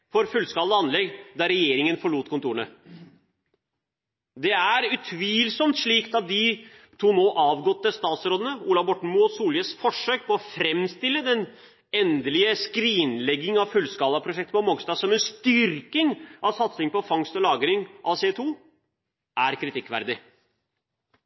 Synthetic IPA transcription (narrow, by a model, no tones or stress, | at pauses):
fɔɾfʉlːskɑːld̪əɑnlɛɡd̪ɑɾɛjeːɾɪŋənfɔɭuːt̪kʰʊnt̪uːəɳə | d̪ɛæɾʉt̪ʰʋiːlsɔmt̪ʂɭiːkt̪ɑt̪̚d̪ɪ | t̪ʰuːnoːʔɑːʋɡɔt̪ːəst̪ɑːt̪sɾoːd̪ənəuːlɑbɔʈɳ̩musuːljəsfɔʂːøːk̚pʰɔɔfɾɛmst̪ɪlːəd̪ɛn | ɛnd̪əlɪəskɾiːnlɛɡːɪŋɑʋfʉlskɑːlɑpʰɾʊʂɛkt̪əpɔmɔɡst̪ɑːsɔmɛnst̪ʏɾkɪŋʔɑʋsɑt̪sɪŋpɔfɑŋst̪ɔlɑːɡəɾɪŋʔɑʋseːt̪ʰuː | ʔæɾkʰɾɪt̪ɪkːʋæ̰ɾd̪ɪ